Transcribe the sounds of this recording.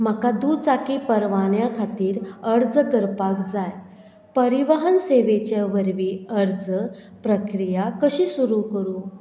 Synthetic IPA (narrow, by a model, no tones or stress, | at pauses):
m̤əkad̪ut͡sakipəɾʋanjakʰat̪iːɾəɾd͡zkəɾpakd͡zaj | pəɾiʋaɦənseʋet͡ɕaʋəɾʋiəɾd͡zəpɾəkɾijakəɕiːsuɾukəɾuː